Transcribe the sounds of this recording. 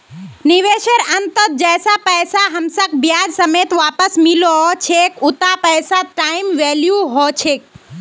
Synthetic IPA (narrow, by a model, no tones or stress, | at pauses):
niʋeːʃəɾɐnt̪ət̪̚d͡ʒɛːsapəjsaɦɐmsəkbjaːd͡ʒsəmet̪ʋaːpəsmilot͡ʃʰekʊt̪apəjsaʈaːɪmʋeljuɦot͡ʃʰek̚